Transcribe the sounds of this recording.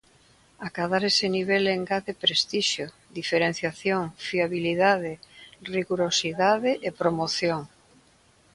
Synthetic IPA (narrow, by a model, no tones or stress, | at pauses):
akaðaɾeseniβ̞eleŋɡaðepɾest̪iʃjo | d̪ifeɾen̟θjaθjoŋfiaβiliðaðɪriɣuɾosiðaðɪʔepɾomoθjoŋ